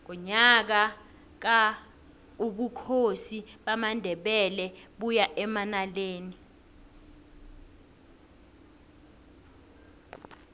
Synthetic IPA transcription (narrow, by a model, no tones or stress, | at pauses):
ŋk̬ɔɲak̬a | k̬a | uɓukʰosiɓamandʱɛɓɛlɛɓujaʔɛmanaleːni